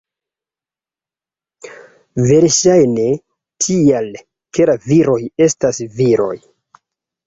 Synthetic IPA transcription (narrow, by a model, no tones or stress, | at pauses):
ve̞ɾʃajne̞ | tʰial | ke̞laviɾo̞je̞stasviɾo̞̰j